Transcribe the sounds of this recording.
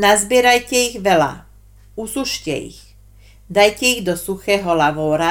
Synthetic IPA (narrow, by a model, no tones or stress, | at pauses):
nazbɪɛɾajcɛiɣʋɛla̰ | usuʃcɛ̰ḭɣ | d̪ajcɛiɣd̪ɔsuxɛːɦɔlaʋɔːɾa